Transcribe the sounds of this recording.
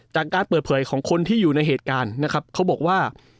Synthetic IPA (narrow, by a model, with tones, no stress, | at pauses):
t͡ɕaː˨˩kːaː˧npəː˨˩t̪̚pʰɤː˩˦jkʰɔː˩˦ŋkʰo˧nt̪ʰiː˥˩juː˨˩na˧jɦeː˨˩t̪̚kaː˧nːa˦˥kʰa˦˥p̚kʰa˦˥wbɔː˨˩k̚waː˥˩